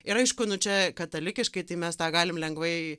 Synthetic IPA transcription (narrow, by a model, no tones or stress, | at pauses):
ɪɾɐɪʃkʊnʊt͡ʃʲɛkɐt̪ɐlʲɪkʲɪʃkɐɪt̪ɐɪmʲɛst̪ɑːɡɑːlʲɪmlʲɛŋɡʋɐɪ